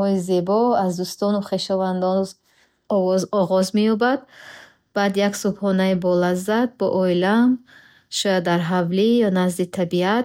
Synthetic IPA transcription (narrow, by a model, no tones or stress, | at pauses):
ɔize̞bɔazd̪ust̪ɔnuχe̞ʃɔvand̪ɔn | ɔɔzɔʁɔzmejɔbad̪̚ | b̥ad̪jaksubhɔnaibɔlazad̪̚bɔ̰ʔɔilam | ʃɔjad̪ːaɾɦavlijɔnazd̪it̪ʰabiat̪̚